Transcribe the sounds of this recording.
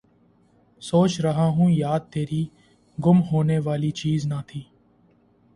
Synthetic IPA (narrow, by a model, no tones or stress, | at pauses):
soːt͡ʃɾəɦaːɦũːjaːd̪̚t̪eːɾiː | ɡʊmɦoːneːʋaːliːt͡ʃiːznaːt̪ʰiː